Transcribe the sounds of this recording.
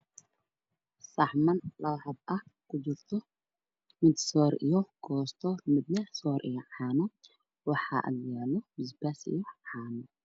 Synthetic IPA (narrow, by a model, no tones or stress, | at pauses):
sɐħmɐnlɐħɐd̪ʔɐkʰʊd͡ʒɪɾt̪ʰɔ | mɪd̪sɔːɾʔijɔkʰɔːst̪ʰɔmɪd̪nɛsɔɾʔijɔʕaːnɔ | wɑħa̰ʔɐ̰ljaːlɔmɪzbasɪ̰jɔʕaːnɔ